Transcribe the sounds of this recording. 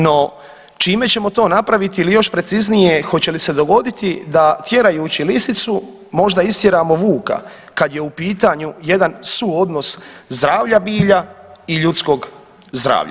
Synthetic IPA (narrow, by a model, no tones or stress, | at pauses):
no̞ | t͡ʃiːme̞t͡ɕe̞mo̞t̪o̞ːnapɾaʋit̪iilijo̞ʃpɾe̞t̪siznije̞xo̞t͡ɕe̞lise̞d̪o̞ɡo̞d̪it̪id̪at̪je̞ɾajuːt͡ɕilisit̪su | mo̞ʒd̪aist̪je̞ɾaːmo̞ʋuːka̰ | kad̪je̞upiːt̪aɲuje̞d̪ansuo̞d̪no̞szd̪ɾaːʋʎabiːʎaiʎut̪sko̞ːɡ | zd̪ɾa̰ːʋʎa̰